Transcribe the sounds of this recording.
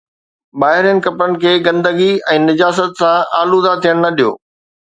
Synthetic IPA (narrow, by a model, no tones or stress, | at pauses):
baːɦɪɾjənɪ̆kɐpɾənɪ̆kʰeːɡɐ̃nd̪əɡiɛ̃ːnɪd͡ʑaːs̬ət̪sãʔaːluzat̪ʰijəɽ̃nɐɗijo̰ː